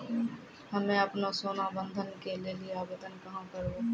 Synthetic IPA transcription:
hɐmẽɐpnasoːnabə̃nd̪ʱənkelelieaːbeːt̪ənkɐɦãkɐɾo

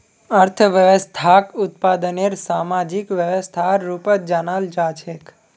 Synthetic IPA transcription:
əɾt̪ʰəʋjəʋəst̪ʰakʊt̪paːd̪əneɾsamad͡ʒikʋjəʋəst̪ʰaːupət̪̚d͡ʒanaːld͡ʒat͡ʃʰek

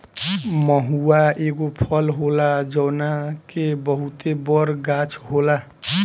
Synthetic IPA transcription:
mʌɦuwaeɡopʰʌlɦolad͡zʌwnakebʌɦut̪ebʌɾɡat͡sʰɦola

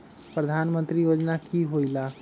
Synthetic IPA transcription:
pɾəd̪ʱanmənt̪ɾijod͡ʒnakiɦoila

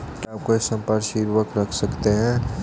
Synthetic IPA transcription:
kiaːp̚koeksə̃mpəɾʃiɾwəkɾɐkʰsɐkt̪eɦɛ̃ː

